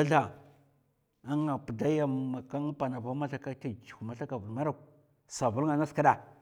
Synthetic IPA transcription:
a˦ɮa˨ | a˦ŋa˨pə˨da˦ja˦˨ma˨ka˦ŋ˦pa˨na˨va˦ma˦ɬa˦ka˦ta˨d͡ʒu˨ma˨ɬa˦ka˨vu˨dma˦ɾa˦˨k | sa˨vu˦lŋa˨na˦ska˦ɗa˨

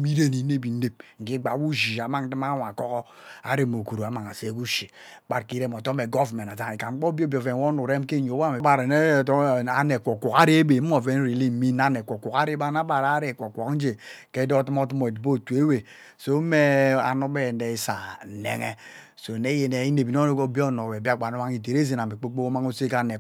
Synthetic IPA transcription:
mi˦ɾe˦ni˨˦e˦bi˨n̩˦e˦p̚ŋ̩˨ki˦ɡ͡ba˨˦wu˦d͡ʒi˨a˨˦ma˦n̩˦ti˦ma˦wa˨kɔ˦kɔ˦a̰˨ɾe˦mo˨ku˨ɾo˨a˨ma˨ŋa˨se˦ku˦ʃi˨ | k͡pa˦ɾki˦ɾe˦m˨ɔ˨tɔ˦me˨ɡɔ˦vme˨na˨za˦ŋi˨ka˨ŋ͡m̩˦k͡pɔ˦bo˦bo˨ve˨n˨wɔ˦n˦u˨ɾe˦m˦ke˦˨ɲo˨˦wa˦me˨˦ba˨ɾne˦˨˦a˨ne˨kʷɔ˨kʷɔ˨ka˦ɾe˦e˦be˨m̩˦o˨ve˦n̩˦ɾi˨li˦m̩˨˦mi˦na˦ne˨kʷɔ˨kʷɔ˨ka˦ɾe˦ba˦na˦ba˨ɾa˦ɾe˨kʷɔ˨kʷɔ˨kn̩˦d͡ʒe˨ke˦dɔ˦tmɔ˦t̬u˦mɔ˨dbo˦˨tu˨e˦we˨ | so˦me˦a̰˨no˦bɛ˦˨nde˨i˦sa˨nḛ˦ŋɛ̰˦ | so˨ne˦je˨ne˨i˦ne˨bi˨n˦o˦o˦ko˦bi˦ɔ˦˨nɔ˨wɛ˨bi˦a˦ɡ͡ba˨nu˦a˦ŋi˨t̬e˨ɾe˦ze˨n˨a˨me˨k͡po˦k͡po˦o˦ma˦ŋo˦se˦ka˦ne˨

